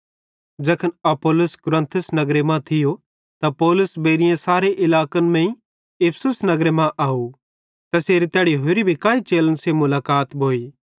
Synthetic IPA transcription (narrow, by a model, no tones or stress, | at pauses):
d͡ʒɐkʰənɐpoːlʊskʊɾə̃nt̪ʰʊsnɐɡɾemãt̪ʰɪjo | t̪apɔːlʊsbeːɾɪjãsaːɾeʔɪlaːkənmɛ̃ĩ | ɪpʰsʊsnɐɡɾemãʔaːu | t̪ɐseːɾit̪ɛːɽiɦʊɾibʱikaːit͡ʃeːlənsemʊlaːkaːt̪bʱoːiː